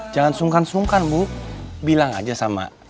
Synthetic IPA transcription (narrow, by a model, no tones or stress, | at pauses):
d͡ʒaŋansuŋkansuŋkanbuk̚bilaŋa̰d͡ʒasama̰